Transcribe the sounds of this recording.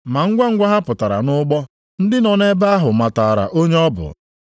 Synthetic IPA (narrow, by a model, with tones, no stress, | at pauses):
ma˨ŋ̩˦ɡʷa˦ŋ̩˦ɡʷa˦ɦa˦pʊ˨ta˨ɾa̰˨nʊ˦ɡ͡bɔ˦ | n̩˦dɪ˦nɔ˨ne˦ba˦a˦ɦʊ˨ma˨ta˨a˨ɾa̰˨ʔo˦ɲe˦ɔ˦bʊ̰˨